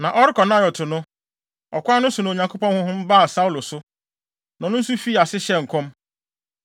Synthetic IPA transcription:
nã˨ʔɔ˦ɾɪ˦kɔ˨nã˦˨jɔ˨tʰʊ˨nʊ̃˦ | ɔ˨kʷa˦nʊ̃˦sʊ˨nã˨ɲã˨ŋkʰo˦pɔ̃˦nhʊ̃˦hʊ̃˦m̩˦ba˦˨sa˦u˦lʊ˨sʊ˦ | nã˨nʊ̃˦n̩˦su˦fiː˦a˨sɪ˦ɕɛ˦˨ŋ̩˨kʰɔ̃˦m

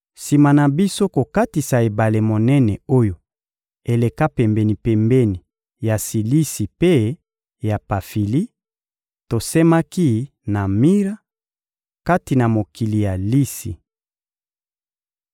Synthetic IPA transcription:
si˨ma˨na˨bi˦so˦ko˨ka˦ti˨sa˨e˨ba˨le˨mo˨nɛ˦nɛ˨o˦jo˨ | e˨le˨ka˦pɛ˨mbɛ˨ni˨pɛ˨mbɛ˦ni˨ | ja˨si˨li˦si˨pe˦ | ja˨pa˨fi˨li˦ | to˨sɛ˦ma˦ki˦ | na˨mi˦ʁa˦ | ka˦ti˨na˨mo˨ki˨li˨ja˨li˦sḭ˨

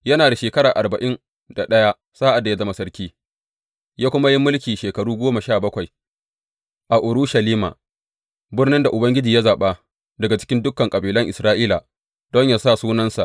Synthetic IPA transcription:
jɐ˦naː˨da˨ʃeː˨kɐ˦ɾaː˨ʔa˨rbɐ˨ʔɪ˦n | da˨ɗɐ˦ja˦ | saː˦ʔa˨dːa˨ja˦zɐ˦ma˦sɐ˦ɾkʲiː˦ | jaː˦kʷʊ˦ma˦ji˦mːʊ˦lkʲiː˨ʃeː˨kɐ˨ɽuː˦ɡʷoː˦ma˨ʃaː˦˨bɐ˦kʷa˨j | ʔa˨ʔʊ˨ɾu˦ʃɐ˨liː˦ma̰ː˨ | bɪ˦rnɪ˦nda˨ʔʊ˨bɐ˦ŋɡʲɪ˦d͡ʒiː˨ja˦zaː˨ɓa˦ | dɐ˨ɡa˨t͡ʃɪ̥˦kʲɪ˦ndʊ˦kːɐ˨ŋkʼɐ˨biː˨lɐ˦ŋʔɪ˨sɾaː˦ʔiː˦la˨ | d̥ɔ˦ɲjaː˨sa˦˨suː˦nɐ˦nsa˨ʔ

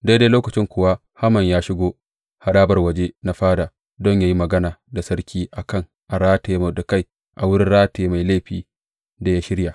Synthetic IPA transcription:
de˦deː˦loː˦kɐ˨t͡ʃɪ˦ŋkʷʊ˨wa˦ | ha˦mɐ˨ɲjaː˦ʃɪ˦ɡʷoː˦ | ha˨ɗaː˦bɐ˨rwɐ˨d͡ʒe˦na˦ɸaː˦daː˨ | dɔ˦ɲjaː˦ji˦mɐ˨ɡɐ˦naː˨da˨sɐ˦rkʲʰiː˦ʔa˨kɐ˦˨ŋ | ʔa˨ɽaː˦teː˨m˨dka˦˨j | ʔa˨wʊ˦ɽɪ˦nɽaː˦teː˨ma˨jle˦˨ɸiː˨ | da˨jaː˦ʃɪ˦ɽja˨

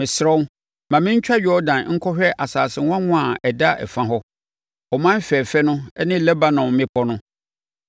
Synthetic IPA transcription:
mɪ̃˨sɾɔ˦ | mã˨mɪ̃˦ɲ̩˦t͡ɕᶣa˦jɔ˦dã˨n˦ŋ̩˦kʰɔ˦ɕᶣɛ˦ʔa˨saː˨sɪ˨wã˦ŋʊ̃˦a˨ɛ˨da˦ʔɛ̰˨fã˦ɦɔ˦ | ɔ˨mã˦n˦fɛː˨fɛ˦nʊ̃˦ɛ˦nɪ̃˦lɛ˦ba˨nɔ̃˨mɪ̃˦pʰɔ˦nʊ̃˦

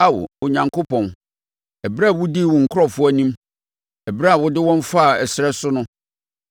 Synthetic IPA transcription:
a˦wʊ̰˨ʊ˨ɲã˨ŋkʰo˦pʰɔ̃˨n | ɛ˨bɾa˦˨wʊ˦di˦˨wɔ˨ŋ̩˨kʰʊ˦ɔ˨fʊ˦æ˨nĩ˦m | ɛ˨bɾa˦˨wʊ˦dɪ˦wɔ̃˦n˦fa˦˨ɛ˨sɪ˨ɾɛ˦sʊ˦nʊ̃˦

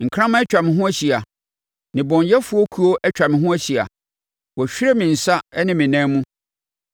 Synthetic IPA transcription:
ŋ̩˨kʰɾ̃ã˦mã˦ɛ˦t͡ɕᶣa˨mɪ̃˨ɦʊ̃˦æ˦ɕi˨a˨ | nɪ̃˨bɔ̃˨ɲjɛ˦fu˨˦o˦kʰu˦o˦ʔɛ˦t͡ɕᶣa˨mɪ̃˨ɦʊ̃˦æ˦ɕi˨a̰˨ | wɔ˨ɕᶣi˦ɾɛ˦mɪ̃˨n̩˨sa˦ɛ˦nɪ̃˦mɪ̃˨nɛ̃˦mũ˦

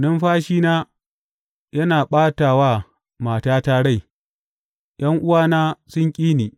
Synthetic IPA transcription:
nɐ˦mɸaː˦ʃiː˦naː˦ | jɐ˦naː˨ɓaː˦taː˨waː˦ | maː˨taː˦taː˦ɽa˦˨j | j̰ɐ˦ŋʔʊ˦waː˦naː˦sʊ˦ŋkʲʼiː˦niː˨

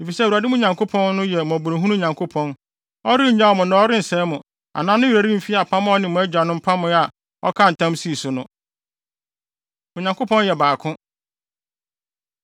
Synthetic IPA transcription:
e˨fi˨sɛ˦˨wu˨a˨dɪ˦m˦ʊ̃˦ɲã˨ŋkʰo˦pʰɔ̃˦nːʊ̃˦jɛ˨m˨ɔ̃˨bʊ˨ɾĩ˨ɦũ˦nũ˦˨ɲã˨ŋkʰo˦pʰɔ̃˦n | ɔ˦ɾɪ˦˨ɲã˦˨mʊ̃˨nã˨˦ɔ˦ɾɪ˦n̩˨sɛ˦mʊ̃˨ | a̰˨nãː˦nʊ̃˦ji˨ɾa˨ɾĩ˦m̩˨fi˦a˨pʰã˦m̃˦ɔ˦nɪ̃˨mʊ̃˨æ˦d͡ʑᶣa˨nʊ̃˦m̩˦pʰa˦mʊ̃˦a˨ | ɔ˦kʰã˦n̩˨tʰã˦msi˦˨sʊ˨nʊ̃˦ | mʊ̃˨ɲã˨ŋkʰo˦pʰɔ̃˦n˦jɛ˨baː˨kʰʊ̃˦

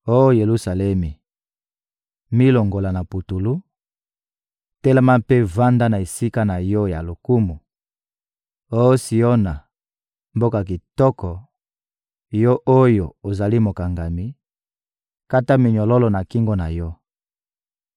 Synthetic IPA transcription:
o˦o˦je˨lu˦sa˨lɛ˦mi˨ | mi˦lo˨ŋɡo˨la˨na˨pu˨tu˨lu˦ | tɛ˦le˦ma˦pe˦va˦nda˦na˨e˨si˦ka˦na˨jɔ˦ja˨lo˨ku˦mu˨ | o˦si˨o˦na˨ | mbo˦ka˨k̬i˨tɔ˦kɔ˨ | jɔ˦ʔo˦jo˨o˨za˨li˦mo˨ka˨ŋɡa˨mi˦ | ka˦ta˦mi˨ɲɔ˨lɔ˦lɔ˨na˨ki˦ŋɡɔ˦na˨jɔ˦

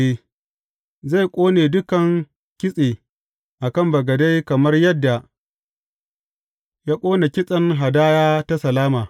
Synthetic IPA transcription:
e˦ | za˦˨jkʷʼoː˦neː˨dʊ˦kɐ˨ŋ | kʲɪ˦sʼeː˨ | ʔa˨kɐ˦˨mbɐ˨ɡɐ˨da˦jkɐ˨mɐ˦rjɐ˦dːa˨ | jaː˦kʷʼoː˦ne˨kʲɪ˦sʼɐ˦ŋɦa˨daː˦jaː˦ta˦sɐ˨laː˦maː˨

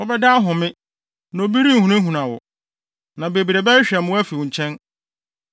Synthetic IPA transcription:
wɔ˦bɛ˦da˦ɦʊ̃˨mɪ̃˦ | no˨bi˦ɾi˦˨hũ˨˦ɦũ˨nã˨wɔ̰˨ | nã˨be˨bi˨ɾe˨bɛ˦ɕᶣɛ˨m̃˦wæ˦fi˨wʊ̃˨ɲ̩˨t͡ɕʰɛ̃˦n

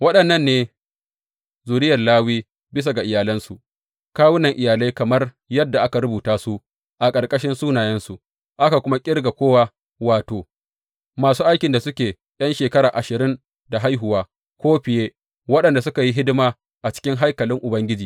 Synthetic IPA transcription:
wɐ˦ɗɐ˨nːɐ˦nːeː˦ | zuː˨ɾɪ˦jɐ˨rlaː˦wiː˦ | bɪ˦s̬a˨ɡa˨ʔɪ˨jaː˨lɐ˦nsu˨ | kaː˦wʊ˦nɐ˨ŋʔɪ˨jaː˨la˦jkɐ˨mɐ˦r | jɐ˦dːa˨ʔa˦ka˨ɾʊ˦buː˨taː˦su˦ | ʔa˨kʼɐ˨rkʼɐ˦ʃɪ˦nsuː˦naː˨jɐ˦nsu˨ʔ | ʔa˦ka˨kʷʊ˦ma˦kʲʼɪ˦rɡa˨kʷoː˦waː˦ | waː˨toː˨ | maː˨suː˦ʔa˦jkʲɪ˨nda˨sʊ˦kʲeː˨ | ɗ̰ɐ˦nʃeː˨kɐ˦ɾaː˨ʔa˨ʃɪ˨ɾɪ˦n | da˨ɦa˦jɦʊ˨waː˦ | kʷoː˦ɸɪ˨jeː˦ | wɐ˦ɗɐ˨nda˨s̬ʊ˦ka˨ji˦ɦɪ˦dɪ˦maː˨ | ʔa˨t͡ʃɪ̥˦kʲɪ˦ŋɦa˦jkɐ˨lɪ˦ŋʔʊ˨bɐ˦ŋɡʲɪ˦d͡ʒiː˨

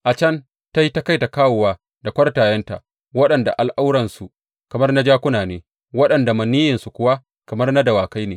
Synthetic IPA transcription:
ʔa˨t͡ʃɐ˦n | ta˦ji˦ta˦ka˦jta˨kaː˦wʊ˨waː˨ | da˨kʷɐ˦rtaː˨jɐ˦nta̰˨ʔ | wɐ˦ɗɐ˨nda̰˨ʔa˨lʔa˦wɽɐ˨nsu˨ | kɐ˨mɐ˦rna˦d͡ʒaː˦kʷʊ˦naː˨neː˦ | wɐ˦ɗɐ˨nda˨mɐ˨niː˦jɪ˨nsu˨kʷʊ˦wa˦ | kɐ˨mɐ˦rna˦dɐ˨waː˨ka˦jneː˨

